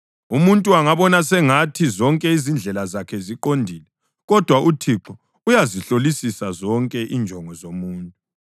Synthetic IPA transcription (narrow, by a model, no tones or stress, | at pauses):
umuntʼuaŋaβɔnasɛŋatʰizɔŋkʼɛizind͡ɮʱɛlazakʰɛziǃondʱiːlɛ | ɣɔd̥ʱwaʔutʰiǁɔ | ujaziɬolisisazɔŋkʼɛʔind͡ʒʱɔŋɔzomuːntʼu